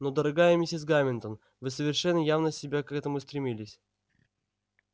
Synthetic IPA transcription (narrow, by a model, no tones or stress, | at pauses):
nod̪əɾɐɡajɪmʲɪsʲɪzɡamʲɪnt̪ən | vɨsəvʲɪrʂɛnːəjavnəsʲɪbʲakɛt̪əmʊst̪ɾʲɪmʲilʲɪsʲ